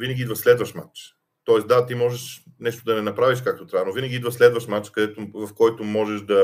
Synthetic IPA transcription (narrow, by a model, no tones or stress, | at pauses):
vinɛɡʲiid̪vɐslɛd̪vɐʃma̰t͡ʃ | t̪ɔɛsd̪at̪imɔʒɛʃnɛʃt̪od̪ɐnɛnɐpɾaviʃ̬kak̚t̪ot̪ɾʲavnovinɛɡʲiid̪vəslɛd̪vɐʃmat͡ʃkɐd̪ɛt̪ovɐfkɔjt̪omɔʒɛʃd̪ɐ